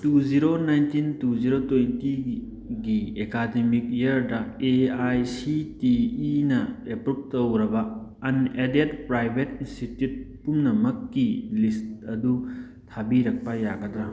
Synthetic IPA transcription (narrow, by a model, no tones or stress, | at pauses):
tuziɾonajntintuziɾotojnti | ɡiekademik̚jɐɾdɐeajsitiːnɐepɾup̚tɐwɾɐbɐɐnedetpɾajbʱetinstitjut̚pumnɐmɐkːilistɐdu | tʰabiɾɐk̚pɐjaɡɐd̪ɾɐ